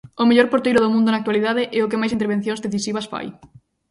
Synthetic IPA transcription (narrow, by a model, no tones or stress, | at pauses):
ʊmeʎɔɾpoɾt̪ejɾʊðomũnd̪ʊnak̚t̪waliðaðɪʔɛʊk̬emajsint̪̬eɾβ̞en̟θjõŋzðeθisiβ̞ɐsfa̰j